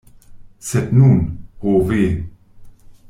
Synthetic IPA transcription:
sɛt̪nuːnhoːveː

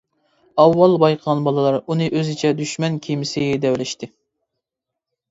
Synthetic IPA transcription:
ɑwːɑlˠbɑjqʰəʁɑnbɑlˠɨlˠɑɾunɨʔøzɪt͡ʃʰɛd̪yʃmɛnkʲʰimɪsɪd̪ɛwlɪʃt̪ɪ

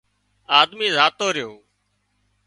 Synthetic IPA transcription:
aːd̪miːzaːt̪oːɾɪjoː

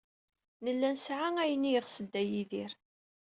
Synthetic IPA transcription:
nəlːænsʕaŋæjənijəʁsəd̪ːæjiðiɾ

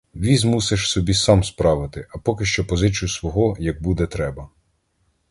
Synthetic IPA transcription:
ʋʲizmuseʃsɔbʲisɑmspɾɑʋɪt̪ɪʔɐpɔkɪʃt͡ʃɔpɔzɪt͡sʲijusʋɔɦɔjɐɡ̚bud̪ɛt̪ɾɛbɐ

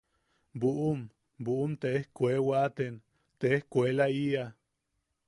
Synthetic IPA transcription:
buʔum | buʔumt̪eehkʷewat̪en | t̪eehkʷelaia

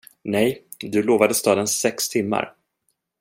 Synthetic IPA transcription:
nɛj | d̪ɵloːvad̪əst̪ɑːd̪ənsɛkst̪ʰɪmːa̰ɾ

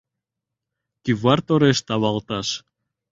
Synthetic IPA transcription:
kivaɾt̪oɾest̪aβalˠt̪as

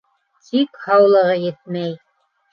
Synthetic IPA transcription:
t̪ʰikhɑwlˠɤ̆ʁɤjɘt̪̚mæj

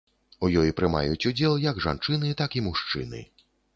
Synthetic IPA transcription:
ujɔjipɾɨma̰jut͡sʲud͡zʲɛlˠjɐɡʐa̰nt͡ʂɨnɨt̪akimuʂt͡ʂɨ̰nɨ̰

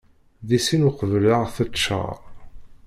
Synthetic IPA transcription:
ðisinʊqəvləʁθəʃə̰

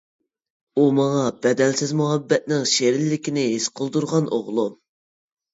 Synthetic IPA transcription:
umɑŋɑbɛd̪ɛlsɪzmuɦɑbːɛt̪̚nɪŋʃeɾɪlːɪkʲinɪɦesqʰəlˠd̪uɾʁɑnʔo̰ʁlˠu

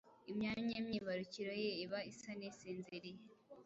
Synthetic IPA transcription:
imɲaːmɲemɲiːβaɾuciɾojeiβaisaneseːnzeɾe

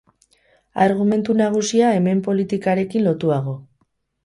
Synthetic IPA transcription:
aɾɣ̞ume̞nt̪unaɣ̞usiae̞me̞mpo̞lit̪ikaɾe̞kinlo̞t̪uaɣ̞o̞

